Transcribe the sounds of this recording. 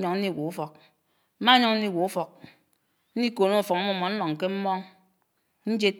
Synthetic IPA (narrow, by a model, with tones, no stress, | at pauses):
ɲɔ˨ŋn̩˦i˦˨wo˨u˦fɔ˨k̚ | m̩˦ma˦ɲɔ˦ŋn̩˦ni˦˨wo˨u˦fɔ˨k̚ | n̩˦i˦ko˨no˦˨fɔ˨ŋa˦mɔ˦˨mɔ˨n̩˦lɔ˨ŋ̩˨ke˦m̩˦mɔ˦ŋ | n̩˦d͡ʒe˦